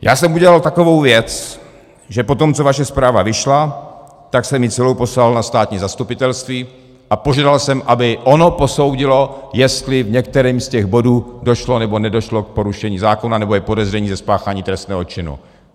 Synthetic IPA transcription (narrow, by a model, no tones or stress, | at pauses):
jaːsɛmuɟɛlalt̪akovowvjɛt͡s | ʒɛpo̞t̪o̞mt͡sovaʃɛspɾaːvavɪʃla | t̪aksɛmɪt͡sɛlowpo̞slalnast̪aːt̪ɲiːzast̪upɪt̪ɛlst̪viː | ʔapoʒaːdalsɛmʔabɪʔo̞no̞po̞so̞wɟɪlo̞jɛst̪lɪvɲɛk̚t̪ɛɾiːmscɛɣbo̞duːdo̞ʃlo̞nɛbo̞nɛdo̞ʃlok̚po̞ɾuʃɛɲiːzaːkonanɛbo̞ɛpo̞dɛzrɛɲiːzɛspaːxaːɲiːt̪ɾɛst̪nɛːɦo̞t͡ʃɪnṵ